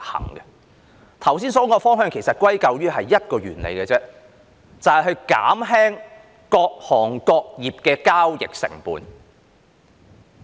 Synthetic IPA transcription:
hɐ̰˨˩ŋɡɛ˧ | t̪ʰɐ˨˩wsiː˥nsɔː˨˥ŋkɔː˧fɔː˥ŋɦœː˧ŋkʰe˨˩jsɐ˨t̚kwɐ˥jkɐ˨˧wjyː˥ɦɐ˨jːɐ˥t̚kɔː˧ɥyː˨˩nlḛ˨˧jkɛ˧t͡sɛː˥ | t͡sɐ˨˩whɐ˨jɦɵ˧ɥka̰ː˨˥mɦɛː˥ŋ | kɔː˧k̚hɔː˨˩ŋkɔː˧k̚jiː˨p̚kɛː˧kaː˥wjɪ̰˨k̚sɪ̰˨˩ŋpuː˨n

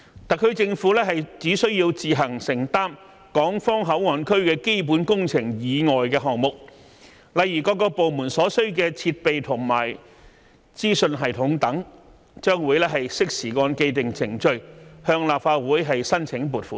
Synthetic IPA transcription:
t̪ɐ˨kʰːɵ˧˥ɥt͡sɪ˧ŋfuː˨˥lɛː˥ɦɐ˨jt͡siː˨˥sɵ˥ɥjiː˧wt͡siː˨˧ɦɐ˨˩ŋsɪ˨˩ŋt̪aː˥m | kɔː˨˥ŋfɔː˥ŋɦɐ˨˥wŋɔː˨˧nkʰɵ˥ɥkɛː˧ke˥jp̬uː˨˥nkʊ˥ŋt͡sʰɪ˨˩ŋjiː˨˧ŋɔː˨jkɛː˧ɦɔː˨˩ŋmʊ˨k̚ | lɐ˨jjyː˨˩kɔː˧k̬ːɔː˧po˨wmuː˨˩nsɔː˨˥sɵ˥ɥk̬ɛː˧t͡sʰiː˧t̚pe˨jt̪ʰʊ˨˩ŋmaː˨˩j | t͡siː˥sɵ˧nɦɐ˨˩jt̪ʰʊ˨˥ŋt̪ɐ˨˥ŋ | t͡ʃœː˥ŋwuː˨˧˥jlɛː˥ɦɐ˨jsɪ˥k̚siː˨˩kɔː˧nke˧jt̪ɪ˨ŋst͡sʰɪ˨˩ŋt͡ʃɵ˧ɥhœː˧ŋlaː˨p̚faː˧t̚wuː˨˥jɦɐ˨jsɐ˥nt͡sʰɪ˨˧˥ŋpuː˨t̚fuː˨˥

